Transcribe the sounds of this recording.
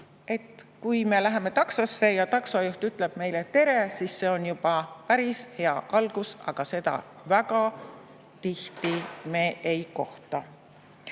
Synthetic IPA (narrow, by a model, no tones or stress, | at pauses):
e̞t̪kujme̞læɦe̞me̞t̪ɑksosːe̞jɑt̪ɑksɑjuht̪yt̪ˑle̞b̥̚me̞jlet̪e̞ɾe̞sisːe̞ːo̞njub̥ɑpæɾishe̞ɑʔɑlɡ̥usɑ̰ɡ̥ɑse̞d̪ɑ̰ | væɡɑ | t̪iht̪ime̞ːʔejko̞ht̪ˑɑ